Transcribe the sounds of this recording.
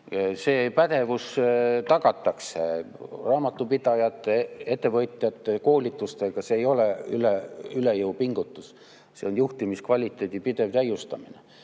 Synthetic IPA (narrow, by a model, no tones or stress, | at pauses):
se̞ːpæd̪̥e̞vust̪ɑɡ̥ɑt̪ːˑɑkse | rɑːmɑt̪ːˑupid̪̥ɑjɑt̪ˑːee̞t̪ˑːe̞vɤt̪ˑjɑt̪ːˑe̞ko̞ːlʲit̪ːˑust̪eɡ̥ɑseːjo̞leyleylejɤwpiŋɡ̥ut̪ːˑus | se̞onjuht̪imiskvɑlʲit̪ːˑe̞ːd̪̥ipid̪e̞vt̪æjːust̪ɑminḛ